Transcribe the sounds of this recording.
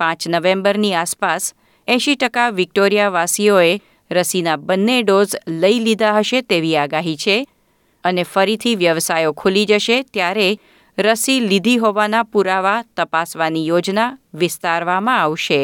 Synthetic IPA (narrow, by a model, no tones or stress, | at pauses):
pãt͡ʃnəʋẽmbəɾniaspas | ɛ̃ʃiʈəkaʋɪk̚ʈoɾijaʋasioe | ɾəsinabənːeɖozləilid̪aɦəʃet̪eʋiaɡaɦit͡ʃʰe | ənefəɾit̪ʰiʋjəʋsajokʰulid͡ʒəʃet̪jaɾe | ɾəsilid̪ʱiɦoʋanapuɾaʋat̪əpasʋanijod͡ʒnaʋɪst̪aɾʋamãaʋʃe